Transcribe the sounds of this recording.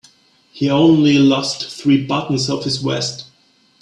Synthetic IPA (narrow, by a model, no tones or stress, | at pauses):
hiõʊ̃nlilɔstθɹibʌtn̩zʌv̥hɨzwɛ̰st